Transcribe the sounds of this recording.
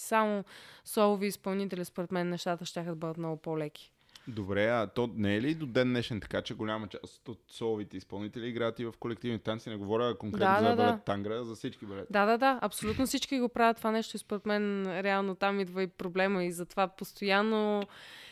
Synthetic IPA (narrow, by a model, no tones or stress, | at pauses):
samosɔlˠoviːspɐlˠnit̪ɛlispoɾɛt̪mɛnːɛʃt̪at̪əʃt̪ʲaxəd̪ɐbɤd̪ət̪mnɔɡopolɛkʲi̥ | d̪obɾɛɐt̪ɔnɛːɛliːd̪od̪ɛnːɛʃɛnt̪ɐ̥kat͡ʃɛɡolʲamət͡ʃa̰st̪ot̪sɔlˠovit̪ɛispɐlˠnit̪ɛliːɡɾaət̪ivɐfkolɛkt̪ivnit̪antsinɛɡovɔɾʲəkoŋkkɾɛtand̪abd̪aət̪ːaŋɡɾəzɐfsit͡ʃkibɛlɛd̪ad̪ad̪aɐpsolʲut̪nofsit͡ʃkiɡopɾavət̪ːovanɛʃt̪oispoɾɛt̪mɛnɾɛalˠnot̪amid̪vəipɾoblɛməizɐt̪ovapost̪ojanːo